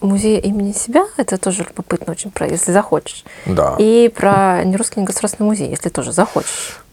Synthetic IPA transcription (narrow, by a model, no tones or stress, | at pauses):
mʊzʲejʔimʲɪnʲɪsʲɪbʲaɛt̪ət̪o̞ʐɨlʲʊbɐpɨt̪nəot͡ɕɪnʲpɾə̰jḛsʲlʲɪzɐxo̞t͡ɕɪ̥ʂd̪a̰ipɾənʲɪɾuskʲɪjnʲɪɡəsʊd̪aɾsʲɪnəɪmʊzʲḛjḛsʲlʲɪt̪o̞ʐɨzɐxo̰t͡ɕɪ̥ʂ